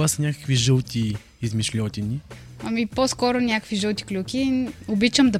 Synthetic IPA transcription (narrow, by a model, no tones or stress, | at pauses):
asɐnʲakə̥kviʒəlˠt̪iː | zmiʃlʲɔt̪ʲini | ɐmiposkɔɾʊnʲakəkviʒɤlˠt̪i̥klʲukʲiobit͡ʃəmd̪ɐ